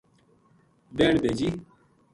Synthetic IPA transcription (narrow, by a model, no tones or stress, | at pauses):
beːɳbeːd͡ʑiː